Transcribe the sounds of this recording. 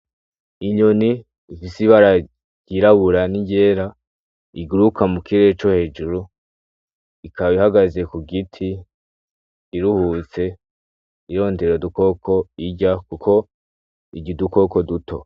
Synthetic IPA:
iɲoniː | fisiβaɾa | ɟ̥iɾaβuɾaniɲɟeːɾa | iɡuɾukamukiɾet͡ʃo̞he̞ːd͡ʒuɾu | ikʰaβihaɡaze̞kuɡitʰi | ɾuhuːt͡se̞ | iɾo̞ːnde̞ɾoduko̞kʰo̞iɟakukʰo̞ | iɟiduko̞ko̞dutʰo̞̰

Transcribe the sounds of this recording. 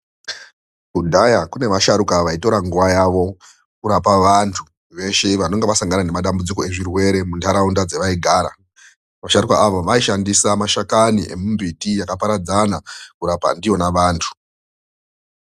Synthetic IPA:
kudʱajakune̞ʋaʃaɾukaʋaito̞ɾaŋɡuʋajaʋo̞ | kuɾapaʋantʰu | ʋe̞ʃe̞ʋano̞ŋɡeʋasaŋɡanane̞maɗambud͡ziko̞e̞ʐirwe̞ɾe̞muntʰaɾaundad͡zeʋaiɡʱaːɾa̰ | ʋaʃaɾukaʔaʋoʋaiʃandisamaʃakaniʔe̞mumbʱitijakapaɾad͡zanakuɾapa̰ndijo̞naʋaːntʰu̥

